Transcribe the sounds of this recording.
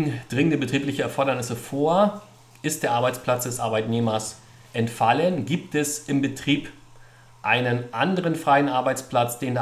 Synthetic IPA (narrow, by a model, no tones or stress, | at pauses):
ŋ̩d̥ʁɪŋəndəbətʁ̥iːplɪçəɛɐfɔɐɾɐnɪsəfoːɐ | ʔɪst̚d̥eːɐʔaɐbaɪt͡spl̥at͡sd̥ɛsʔaɐbaɪtneːmɐs | ʔɛntfalənɡiːp̚tɛsʔɪmbətʁ̥iːp | ʔaɪnənʔandəʁənfʁ̥aɪənʔaɐbaɪt͡spl̥at͡sd̥eːnda